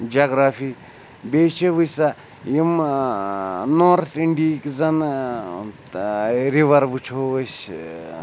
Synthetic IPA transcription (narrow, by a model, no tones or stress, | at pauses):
d͡ʒaɡɾaːfi | bʲeːt͡ʃʰeʋɨsa | jim | noɾt̪ʰiɳɖikzɐn | ɾiʋɐɾʋut͡ʃʰos